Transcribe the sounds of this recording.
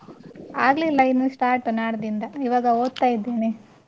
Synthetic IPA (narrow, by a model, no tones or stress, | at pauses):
aːɡlilːɐinːusʈaːɾʈnaːɾɐd̪ind̪ɐiʋaːɡɐoːd̪̚t̪aːjid̪ːeːne